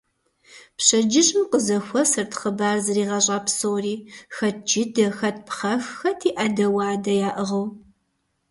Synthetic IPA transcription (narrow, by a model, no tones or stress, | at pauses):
pɕɐd͡ʒɪɕʼmqəzɐxʷɔsɐrtʰχəbaːrzɨriːʁɐɕʼɑːpsoːriːxɐt̚d͡ʒɪdɐxɐt̚pʰχɐxxɐtʰiːʔɐdɐwɑːdɐjaːʔəʁɐw